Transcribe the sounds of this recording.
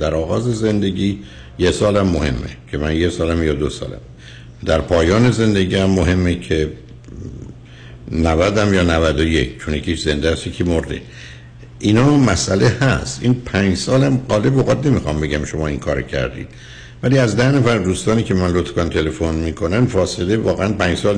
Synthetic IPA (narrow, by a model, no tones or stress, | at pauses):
d̪̥æɾɒːɣɒːze̞ze̞nd̪e̞ɡiː | jesɒːlæmːohe̞̰mːḛcʰe̞mænjesɒːlæmjɒːd̪osɒ̰ːlæ̰m | d̪æɾpʰɒːjɒːne̞ze̞nd̪eɡiːæmːoɦe̞mːecʰe | nævæd̪æmjɒːnævæd̪oje̞̰kt͡ʃʰonjecʰʲiʃzend̪eæsjecʰimoɾd̪ḛ | ʔiːnɒːmæsʔæle̞hæst̪ʔinpʰæɲd͡ʒsɒːlæmɢɒːle̞boɣɒd̪ne̞mixɒmbe̞ɡæmʃo̞mɒːiŋkʰɒːɾocʰæ̰ɾd̪ḭːd̪̥ | væliːæzd̪æhnæfæɾd̪uːst̪ɒːniːkcʰe̞mænlot̪kɑnt̪ʰe̞le̞fo̞nmiːkʰo̞næmfɒːselevɒːɣeænpæːɲd͡ʒsɒːl